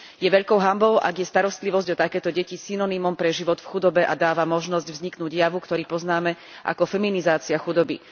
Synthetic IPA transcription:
jɛʋɛʎkɔʊɦambɔʊʔa̰ɡjɛst̪aɾɔst̪liʋɔzɟɔt̪akɛːt̪ɔɟɛcisinɔnimɔmpɾɛʒiʋɔd̪fxud̪ɔbɛʔad̪aːʋamɔʒnɔzɟvzɲiknuːɟjaʋukt̪ɔɾiːpɔznaːmɛ | ʔa̰kɔfɛminizaːt͡siaxud̪ɔbḭ

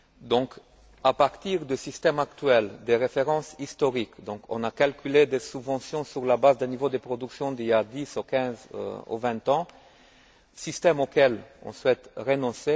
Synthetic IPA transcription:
d̪ɔ̃k | apaʁt̪iʁd̪ysist̪ɛmakt̪ɥɛld̪eʁefeʁɑ̃sist̪ɔʁikd̪ɔ̃kɔ̰̃nakalkʲyled̪esybvɑ̃sjɔ̃syʁlabazd̪ɛnivod̪əpχɔd̪yksjɔ̃d̪ilad̪isukʲɛ̃z̰ṵvɛ̃t̪ɑ̃ | sist̪ɛmokɛlɔ̰̃swɛt̪ʁenɔ̃se

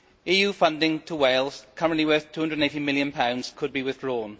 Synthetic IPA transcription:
iːjuːfʌ̃ndɪ̃ŋtʰəweɪlˠz̥kʰʌɹə̃nʔliwɜˑ˞θtʰu̥ːʌ̃ndɹədⁿəneɪtimɪljə̃npʰãʊ̃ndz̥kʰəd̚biwɪðdɹɔːn

